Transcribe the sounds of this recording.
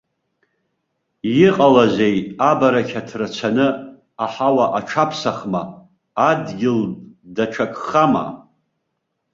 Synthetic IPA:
jɪqʼalazʷejabaɾakʲʰatʰrat͡ɕʷʰanɨ | aħawaʔaʈ͡ʂʰapʰsaχmaː | dɡʲɪldaʈ͡ʂʷʰakʰʼχama̰

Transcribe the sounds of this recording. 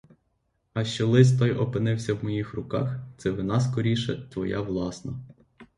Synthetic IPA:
ɐʃt͡ʃɔlˠɪst̪ɔjʔɔpɪnɪwsʲɐwmɔjixrʊkɑxt̪sɛʋɪnɑskɔɾʲiʃɛt̪ʋɔjɑ̰ʋlˠɑsnɐ

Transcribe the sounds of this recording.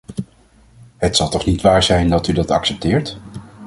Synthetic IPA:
ɦətsɑlˠtɔχnitʋaːɹzɛjndɑtydɑtɑ̰ksɛp̚tɪːɹt

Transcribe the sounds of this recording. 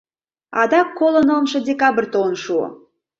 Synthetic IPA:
ɑ̰d̪ɑkːolə̆nəlˠmʃɤ̆dʲekɑbə̆rʲt̪onʃuə̰

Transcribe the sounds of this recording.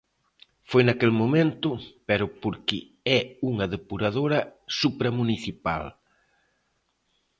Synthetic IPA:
fojnɐkelmomẽnt̪ʊpɛɾʊpoɾkɪ | ɛuŋɐðepuɾaðoɾɐsupɾɐmuniθipa̰l

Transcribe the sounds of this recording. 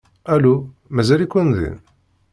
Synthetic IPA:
ælu | mæzælikʷːənðḭn

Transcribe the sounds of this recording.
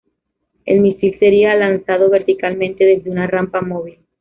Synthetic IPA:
e̞̰lmisilse̞ɾialansað̞o̞βe̞ɾt̪ikalmẽ̞nt̪e̞ðe̞zðeunarampamo̞β̞il

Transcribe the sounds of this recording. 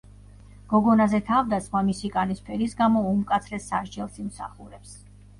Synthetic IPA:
ɡ̥ɔɡɔnazɛt̪ʰavd̪at̪sʼχmamisikʼanispʰɛɾisɡamɔumkʼat̪sʰɾɛsːaʃd͡ʒɛlˠsimsa̰χuɾɛps

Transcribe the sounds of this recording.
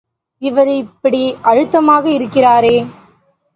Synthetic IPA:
ɪʋɐɾɪpːɐɽiʔɐɻɯt̪ːɐmaːɣɐɪɾɯkːɪraːɾeː

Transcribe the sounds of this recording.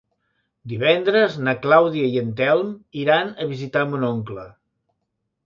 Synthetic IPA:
d̪iβɛnd̪ɾəznəklawðiəiənt̪ɛlˠmiɾanəβizit̪amunoŋklə

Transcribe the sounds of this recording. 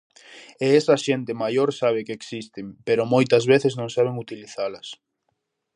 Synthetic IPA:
eɛsɐʃent̪ɪmajoɾsaβ̞ɪkeeksist̪ɪmpeɾʊmojt̪ɐzβeθɪznõŋsaβ̞eŋut̪iliθalɐs

